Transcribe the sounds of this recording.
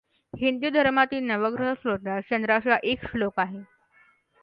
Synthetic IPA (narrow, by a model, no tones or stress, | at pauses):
hind̪ud̪ʱəɾmat̪iːnəʋəɡɾəɦəsɾod̪ʱaɕənd̪ɾaɕaʔekʂlokaɦe